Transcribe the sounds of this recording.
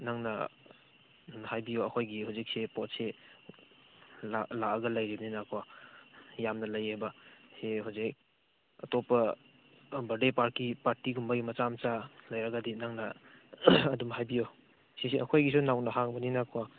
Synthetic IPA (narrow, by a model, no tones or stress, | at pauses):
naŋnɐ | hajbioɐkʰojɡihawzik̚sepɔt̚se | lalaɐɡɐlɐjɾibninakʰuwa | jamnɐlajebɐseɦazek̚ | ɐtopɐ | bɐdepaɾkipaɾtiɡumbaɐɡimɐt͡ʃamt͡ʃalɐjɾaɡadinaŋnɐ | ɐdumhajbijo | sisiɐkʰojɡis̬unawnɐɦaŋbɐninakʰuwa